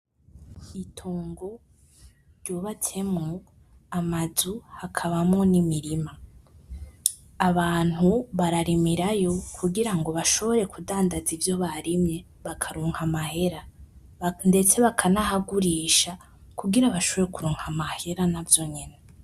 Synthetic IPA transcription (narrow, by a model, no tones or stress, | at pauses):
itʰoːŋɡo̞ | ɾɟoβatʰe̞mŋo | amazuhakʰaβamŋo̞nimiɾima | βaːn̥huβaɾaɾimiɾajo̞kʰuɡiɾaŋɡo̞βaʃo̞βo̞ɾe̞kudaːndazivjo̞βaɾimɲe̞ | βakʰaɾuːŋhamahe̞ɾa | nde̞t͡se̞βakʰanahaɡuɾiːʃa | kuɡiɾaβaʃo̞βo̞ɾekuɾuːŋ̥hamahe̞ɾanavjo̞ɲene